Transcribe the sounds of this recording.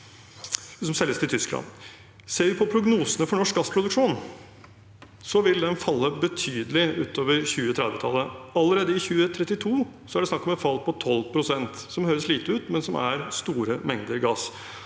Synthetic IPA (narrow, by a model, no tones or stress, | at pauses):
sɔmsɛlːəst̪ɪt̪ʰʏsklɑ̰n | seːɾʋɪpʰɔpʰɾʊɡnuːsənəfɔɳɔʂk̚ɡɑspʰɾʊd̪ʉkʂuːn | sɔʋɪld̪ɛnfɑlːəbət̪ʰyːd̪əlɪʉːt̪oːʋəɾçʉːət̪ʰɾɛd̪ʋət̪ʰɑ̰lːəɑlːəɾeːd̪əɪçʉːət̪ʰɾɛt̪ːɪt̪ʰuːsɔæɖɛsnɑkːɔmɛt̪fɑlːpʰɔt̪ʰɔlːpʰɾʊsɛnt̪sɔmhøːɾəsɭiːt̪əʉːt̪mɛnsɔmʔæ̰ɾst̪uːɾəmɛŋd̪əɾɡɑːs